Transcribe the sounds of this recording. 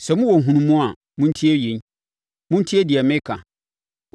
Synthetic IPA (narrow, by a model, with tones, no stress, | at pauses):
sɛ˨mʊ̃˦wɔ˨ɦũ˨˦nũ˦mũ˦a˨ | mʊ̃˦n̩˦tʰi˦e˦jẽ˨ɲ | mʊ̃˦n̩˦tʰi˦e˦di˨ɛ˨mɪ̃˦kʰã˨